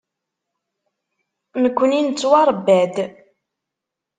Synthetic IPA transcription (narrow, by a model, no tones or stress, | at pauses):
nəkʷːənint͡sːwɑɾˤəbːæd̪